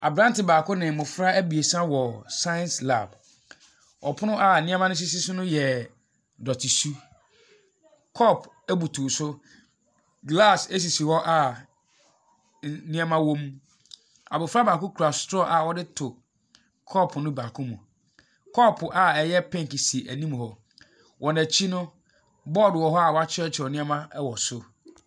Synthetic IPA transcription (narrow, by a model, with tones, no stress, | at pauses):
a˨bɾã˦n˦tɪ˨baː˨kʊ̃˦nɪ̃˨mʊ̃˨fɾa˦æ˦bi˨e˨sã˦wɔ˨sã˦jɛ̃˨nsla̰˨b | ɔ˨pʰʊ˦nʊ̃˦ʔa˦˨nĩ˦a˦mã˦nʊ̃˦s̬i˦si˦sʊ˦nʊ̃˦jɛ˨ | dɔ˨tʰi˨su˦ | kʰɔ˦˨pʰ | æ˦bu˨tʰu˨sʊ˦ | ɡla˦˨se˦s̬i˨si˨wɔ˦ʔa˦ | nĩ˦ã˦mã˦wõ˦m | a̰˨bʊ˨fɾa˦bãː˨kʊ̃˦kʰu˨ɾa˨stɾɔ˦ʔa˨wɔ˦dɪ˦tʰʊ˨ | kʰɔ˦pʰnʊ̃˦bãː˨kʰʊ̃˦mũ˨ | kʰɔ˦˨pʰʊ˨ʔa˨ɛ˨jɛ˦pʰɛ̃˦ŋ˨kɪ˨si˨ʔæ˨nĩ˦m˨hɔ˨ | wʔɔ˨nɛ̃˨t͡ɕʰi˦nʊ̃˦ | bɔ˦˨dwɔ˨ɦɔ˦a˨wɔ˨˦a˦t͡ɕʰɪ˦ɛ˦t͡ɕʰɪ˨ɔ˨nɪ̃˦a˦mã˦wɔ˨sʊ˦